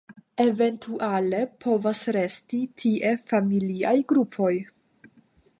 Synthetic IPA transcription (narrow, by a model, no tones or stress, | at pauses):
e̞ve̞ntʰuʔale̞pʰo̞vasɾe̞stitʰiʔe̞familiajɡɾupʰo̞j